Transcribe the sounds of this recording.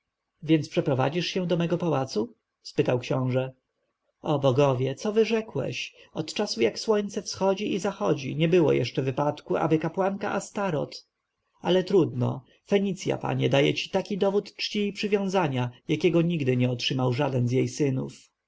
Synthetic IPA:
vʲjɛnt̪spʂɛpɾɔva̰d͡ʑiʂɕɛ̃d̪ɔmɛɡɔpawat̪su | spɘt̪awkɕɔ̃w̃ʐɛ | ɔbɔɡɔvʲjɛt̪sɔvɘʐɛkwɛ̰ɕ | ɔt̪t͡ʂasujakswɔɲt̪sɛfsxɔd͡ʑiizaxɔd͡ʑḭɲɛbɘwɔ̰jʔɛ̰ʂt͡ʂɛvɘpat̪kua̰bɘkapwaŋkaʔast̪aɾɔ̰t̪ | alɛt̪ɾud̪nɔ̰ | fɛɲit̪sʲja̰pa̰ɲɛd̪ajɛ̰t͡ɕi̥t̪akʲid̪ɔvut̪t͡ʂt͡ɕiːpʂɘvʲjɔ̃w̃zaɲajakʲɛɡɔɲiɡd̪ɘɲɛɔtʂɘmawʐad̪ɛnzjejsɘnṵf

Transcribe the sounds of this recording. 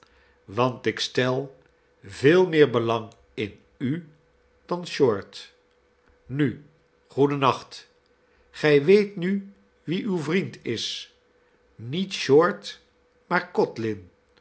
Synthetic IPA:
ʋɑntɪkstɛlˠ | vɪːlˠmɪːɹbəlɑŋ | ɪn | y | d̥ɑnʃɔɹt | ny | χudənɑχt | χɛjʋejtny | ʋiʔywvrintɪs | nitʃɔɹt | maːɹkɔtlɪn

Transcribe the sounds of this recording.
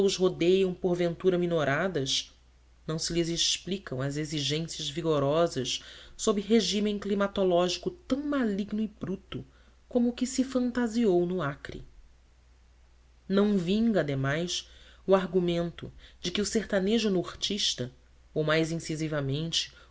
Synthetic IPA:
ʊzɦod̪ejɐ̃w̃poɾvẽnt̪uɾɐminoɾad̪ɐʃ | nɐ̃w̃sɪlɪzeʃplikɐ̃w̃ɐzeziʒẽsiɐzviɡoɾɔzɐssobɾɪɦeʒimẽklimat̪olɔʒikʊt̪ɐ̃w̃maliɡnʊɪbɾut̪ʊ | kõmʊːkɪsɪfɐ̃nt̪aziownʊakɾḭ | nɐ̃w̃vĩŋɡɐd̪emajsuaɾɡumẽnt̪ʊ̰d͡ʒɪkɪʊseht̪aneʒʊnoχt͡ʃiʃt̪ɐ | owmajzĩsizivɐmẽnt͡ʃɪ̥

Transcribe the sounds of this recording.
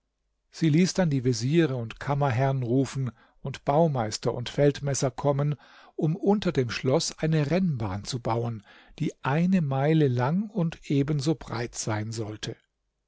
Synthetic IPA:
z̥iːliːsd̥andiːveziːʁəʊntkʰamɐɦɛʁnʁuːfn̩ | ʊntb̥aʊmaɪstɐʔʊ̰ntfɛltmɛsɐkʰɔmən | ʔʊmʔʊntɐdeːmʃlɔsʔaɪnəʁɛnba̰ːnt͡subaʊən | d̥iːʔaɪnəmaɪləlaŋʊntʔeːbənzoːbʁa̰ɪtz̥aɪnzɔltʰə

